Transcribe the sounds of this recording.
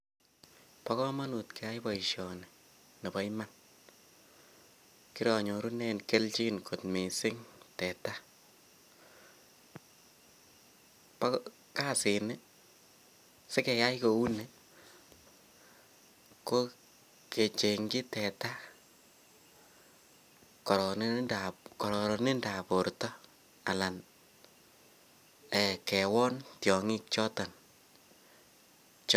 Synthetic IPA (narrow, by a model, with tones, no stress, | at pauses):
pɔ˦kɔ˦ma˦nu˨tkɛ˨ja˦jbɔ˨iʃjɔ˨nɪ˨ | ne˨bɔ˦jma˦n | ki˦ɾɔ˨ɲo˨ɾu˦ne˦nke˦lt͡ʃi˦nko˨tme˨sɪ˦ŋtɛ˨ta˦ | p | ka˦sɪ˨nɪ˦ | se˦kɛ˨ja˦jko˨u˦ne˦ | ko˦ | ke˨t͡ʃe˨ŋɡɪ˦tɛ˨ta˦ | kɔ˨ɾɔ˨n˦dakɔ˨ɾɔ˨ɾɔ˨nɪ˦nda˨po˨ɾtɔ˦ | a̰˨la˨n | ɛ˨kɛ˨wɔ˦ntjɔ˨ŋɪ˦k̚t͡ʃɔ˦ta˨n | t͡ʃ